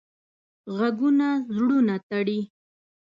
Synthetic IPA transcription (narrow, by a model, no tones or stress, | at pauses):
ɣaɡʊnazɽʊnat̪aɽi